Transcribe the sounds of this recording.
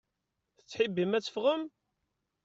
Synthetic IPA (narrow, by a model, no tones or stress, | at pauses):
θə̥t͡sːħibːimæt͡sːə̥fʁəm